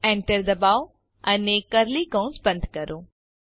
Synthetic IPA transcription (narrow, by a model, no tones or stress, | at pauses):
ɛ̃ːɳʈəɾd̪ɐbaːo | ɐnekɐɾlikə̃w̃nsbɐ̃nd̪ʱkɐɾoː